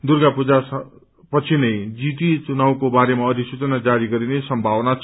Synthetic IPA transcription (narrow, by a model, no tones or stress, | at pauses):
d̪urɡapud͡zas | pʌt͡sʰinʌjd͡zit̪it͡sunawkobaɾemaʌd̪ʱisut͡sʌnad͡zaɾiɡʌɾinesʌmbʱawnat͡sʰ